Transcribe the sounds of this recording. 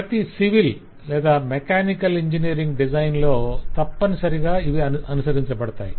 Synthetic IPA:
pɐt̪isiʋil | lɛːd̪aːmekaːnikɐliɲd͡ʒiniːɾiŋɡɖid͡ʒɐjnlo̞ːt̪ɐpːɐnisɐɾiɡaːiʋiɐɐnusɐɾiɲt͡ʃɐpɐɽɐt̪a̰ːjḭ

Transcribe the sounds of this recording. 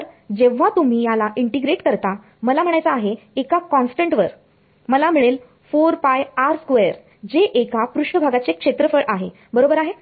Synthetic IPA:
əɾd͡ʑeʋ̤at̪um̤iːjalaʔiɳʈiɡɾeʈkəɾt̪a | məlam̤əɳ̃ajt͡saːɦe | ekakɔnsʈəɳʈʋəɾ | məlam̤iɭel | foɾpajaɾskʋejəɾ | d͡ʑeʔekapɾuʂəbʱaɡat͡sekʂet̪ɾəfəɭʔaɦe | bəɾobəɾaɦe

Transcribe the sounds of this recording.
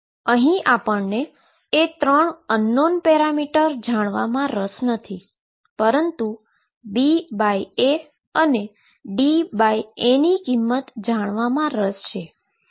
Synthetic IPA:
əɦĩʔapəɳneː | t̪ɾəɳənːonpɛɾamiʈəɾd͡ʒaɽ̃ʋamãɾəsnət̪ʰi | pəɾənt̪u | bibaje | əne | ɖibajenikimːət̪d͡ʒaɽ̃ʋamãɾəst͡ʃʰe

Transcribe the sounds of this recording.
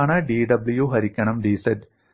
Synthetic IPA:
ɳɐɖiːɖɐbljuɦɐɾikʲːɐɳɐmɖiːsɐl

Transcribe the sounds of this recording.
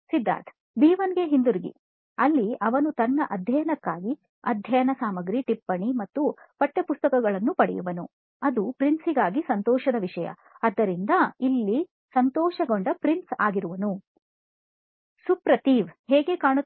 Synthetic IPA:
sid̪ːa̰ːt̪ʰ | b̪iːʋɐnɡeɦind̪uɾiɡḭ | ɐlːiʔɐʋɐnut̪ɐnːɐʔɐd̪ʱjɐjɐnɐkːaːɡi | ɐ̰d̪ʱjɐjɐnɐsaːmɐɡɾiʈipːɐɳimɐt̪ːu | pɐʈːepust̪ɐkɐɡɐɭɐnːupɐɽɛ̰juʋɐnu | ɐd̪upɾinsiɡaːɡisɐnt̪ɔːʃɐd̪ɐʋiʂɐjɐ̰ː | d̪ːɐɾind̪ɐilːi | sɐnt̪ɔːʃɐɡo̞ɳɖɐpɾinsa̰ːɡiɾuʋɐnu | supɾɐt̪iːʋhɛːɡekaːɳu

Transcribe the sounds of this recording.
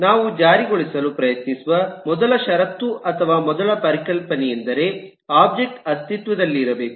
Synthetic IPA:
naːʋud͡ʒaːɾiɡoɭisɐlupɾɐjɐt̪nisuʋɐmɔd̪ɐlɐʃɐɾɐt̪ːuʔɐt̪ʰɐʋaːmɔd̪ɐlɐpɐɾikɐlpɐnɛjend̪ɐɾe̞ | aːb̚d͡ʒek̚ʈɐst̪ʰit̪ʋɐd̪ɐlːiːɾɐbe̞ːku̥

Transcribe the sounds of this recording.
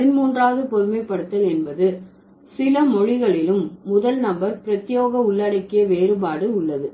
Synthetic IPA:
ɐɪnmuːndraːðɯpɔðɯmɐɪpːɐɽɯt̪ːɐlɛnbɐðɯ | sɪlɐmɔɻɪɣɐɭɪlɯmːʊðɐlnɐmbɐɾpɪɾɐt̪ːɪjoːɣɐʊɭːɐɽɐɪkːɪjɐʋeːɾɯbaːɽɯʊɭːɐðɯ

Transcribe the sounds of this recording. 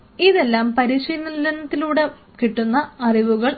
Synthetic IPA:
iðe̞lːaːmpɐɾiɕɐjnːilːɐnɐt̪ːiluːɽe̞ | kiʈːunːɐɐriʋuɣɐɭ

